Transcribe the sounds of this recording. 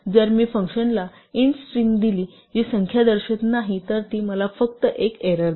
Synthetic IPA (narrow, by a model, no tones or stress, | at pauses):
d͡zəɾmiːfəŋkɕənla | insʈɾiːmd̪iliː | ɦisəŋkʰjad̪əɾɕət̪naɦit̪əɾt̪iːməlafək̚t̪əʔekeɾəɾ